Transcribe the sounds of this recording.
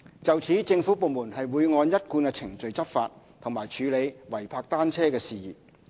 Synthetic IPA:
t͡sɐ˨wt͡sʰiː˨˥t͡sɪ˧ŋfuː˨˥po˨˧wmuː˨˩nhɐ˨jwuː˨˧jŋɔː˨˧njɐ˥t̚kuː˧nkɛː˧t͡sʰɪ˨˩ŋt͡sɵ˨ɥt͡sɐ˥p̚fa̰ː˧t̚ | t̪ʰŋmaː˨˩jt͡ʃʰyː˨˧le˨˧jwɐ˨˩jpʰaː˧k̚t̪aː˥nt͡sʰɛː˥kɛː˧siː˨jiː˨˩

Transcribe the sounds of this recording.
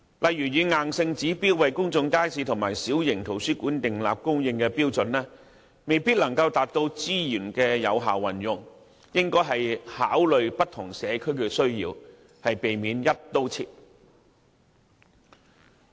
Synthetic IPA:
lʔɐ˨jːyː˨˩jiː˨˧ŋaː˨nsɪ˧ŋt͡siː˨˥piː˥wɐ˨jkʊ˥ŋt͡sʊ˧ŋkaː˥jsiː˧t̪ʰʊ˨˩ŋmaː˨˩jsiː˨˥wjɪ˨˩ŋt̪ʰo˨˩wsyː˥kuː˨˥nt̪ɪ˨ŋla̰ː˨p̚kʊ˥ŋjɪ˧ŋkɛː˧piː˥wt͡sɵ˨nlɛː˥ | me˨jpiː˥t̚lɐ˨˩ŋkɐ˧wt̪aː˨t̚t̪o˧wt͡siː˥jyː˨˩nkɛː˧jɐ˨˧wɦa̰ː˨wːɐ˨˩njʊ˨ŋ | jɪ˥ŋkɔː˥jɦɐ˨jhaː˨˥wlɵ˨ɥpɐ˥t̚t̪ʰʊ˨˩ŋsɛː˨˧kʰɵ˥ɥkɛ˧sɵ˥ɥjḭː˧w | hɐ˨jpe˨jmiː˨˧˥njɐ˥t̚t̪o˥wt͡sʰḭː˧t̚

